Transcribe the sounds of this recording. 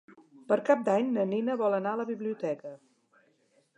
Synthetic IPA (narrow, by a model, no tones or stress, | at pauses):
pəɾkap̚d̪aɲnəninəβɔlˠənaələβiβliut̪ɛkə